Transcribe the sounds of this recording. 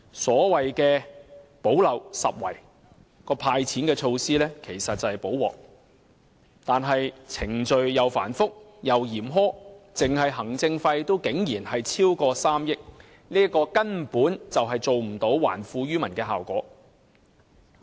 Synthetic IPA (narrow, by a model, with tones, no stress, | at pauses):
sɔː˨˥wɐ˨jkɛː˧po˨˥wlɐ˨˧wsɐ̰˨p̚wɐ̰˨˩j | kɔː˧pʰaː˧jt͡sʰiː˨˥nkɛː˧t͡ʃʰo˧wsiː˥lɛː˥kʰe˨˩jsɐ˨t̚t͡sɐ˨hɐ˨˩jpo˨˥wwɔ̰ː˨k̚ | t̪aː˨nɦɐ˨jt͡sʰɪ˨˩ŋt͡ʃɵ˨ɥjɐ˨˧wfa̰ː˨˩nfʊ˥k̚jɐ˨wjiː˨˩mɦɔː˥t͡sɪ˨ŋɦɐ˨jɦɐ˨˩ŋt͡sɪ˧ŋfɐ˧jt̪o˥wkɪ˨˥ŋjiː˨˩nhɐ˨jt͡sʰiː˥wkɔː˧saː˥mjɪ˥k̚ | niː˥ɐ˥kɔː˧kɐ˥nm̩˨puː˨˥nt͡sɐ˨wɦɐ˨jt͡so˨wm̩˨˩t̪o˨˥wwa̰ː˨˩nfuː˧ɥyː˥mɐ˨˩nkɛː˧ɦaː˨wkɔ̰ː˨˥